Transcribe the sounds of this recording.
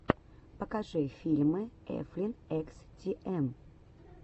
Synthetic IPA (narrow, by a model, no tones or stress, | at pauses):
pəkɐʐɨfʲilʲmɨɛ̰flʲɪnɛkstʲiʔɛm